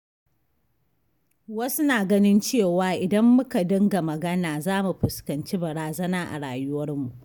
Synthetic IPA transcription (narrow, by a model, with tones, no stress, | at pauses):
wɐ˦su˦naː˨ɡɐ˦nɪ˦nt͡ʃeː˦˨waː˨ʔɪ˨dɐ˦mːʊ˦ka˨dɐ˦ŋɡa˨mɐ˨ɡɐ˦naː˨zaː˦mu˨ɸʊ˨skɐ˨nt͡ʃiː˦bɐ˨ɽaː˨zɐ˦naː˦ʔa̰˨ɽaː˨jʊ˦wɐ˦rmu˨ʔ